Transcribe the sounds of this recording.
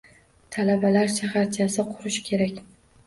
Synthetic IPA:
t̪ʰalabalaɾʃʰaχaɾt͡ʃʰasɪqʰʊɾɪʃkʲʰe̞ɾakʲ

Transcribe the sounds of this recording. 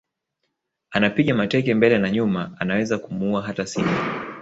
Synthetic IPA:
anapiɠamatɛkɛmbɛlɛnaɲumaanawɛzakumuuaɦatasimu

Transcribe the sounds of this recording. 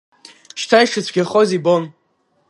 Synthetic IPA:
ʃtʰajʂɨt͡sʷʰɡʲaχozibon

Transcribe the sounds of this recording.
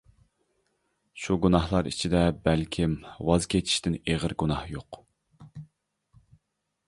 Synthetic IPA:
ʃuɡunɑhlˠɑɾḭt͡ʃʰid̪ɛbɛlkʲʰimwɑzkʲʰet͡ʃʰi̥ʃt̪ɪneʁəɾɡunɑhjoq

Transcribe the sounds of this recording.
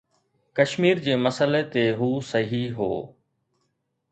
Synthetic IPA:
kɐʃmiːɾd͡ʑeːmɐsəlet̪eɦuːsɐɦiɦo̰ː

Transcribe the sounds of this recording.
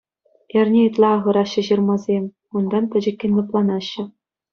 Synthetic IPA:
ĕrʲnʲeit̪ʲlˠɑːʁɤ̆ɾɑɕːɘ̆ʑɯrmɑzʲemʲ | und̪ɑntʲɘ̆d͡ʑɘ̆kʲːɘ̆nʲlʲɘ̆plˠɑnɑɕːɘ̆

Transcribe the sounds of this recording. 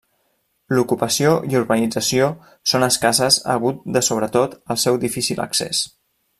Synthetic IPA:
lukupəsioʔiuɾβənid͡zəsio | sonəskazəzə̰ɣ̞ut̪̚d̪əsoβɾət̪ot̪əlˠsɛwd̪ifisilə̰ksḛs

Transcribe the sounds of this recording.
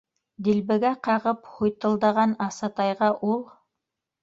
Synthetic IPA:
d̪ilbɘ̆ɡæqɑʁɤphujt̪ɤ̆lˠd̪ɑʁɑnɑsɑt̪ɑjʁɑʔulˠ

